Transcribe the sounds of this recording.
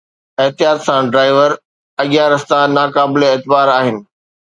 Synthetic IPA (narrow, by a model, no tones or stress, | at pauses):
eɦt̪ijaːt̪sãɖɾaːɪʋəɾ | ɐɠijaɾɐst̪ãnaːkaːbɪleeːt̪ɪbaːɾaːɦɪnɪ̆